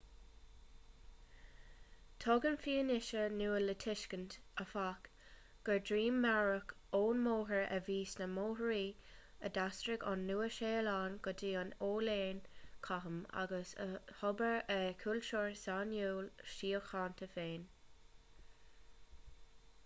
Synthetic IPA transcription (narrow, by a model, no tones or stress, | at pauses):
tʰɔɡənfiːənɪʃənuːələtʰɪʃkəntəfak | ɡ̥əɹdɹiːmːaɹəkʰ | oːnmoːɦəɹə̰viːsnəmoːɦəɹiː | ə̰dastɹɪɡɑnːuːəʃeːlɑːnɡ̥ɔdiːɑnoːleːnkʰaɦəma̰ɡəsə̰hɔbəɹəkʰulʃɔɹsaːnjuːlʃiːəxɑːntʰəfeːn